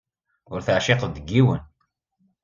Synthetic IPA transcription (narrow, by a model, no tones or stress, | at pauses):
ʊɾθəʕʃɪqd̪əɡːiwə̰n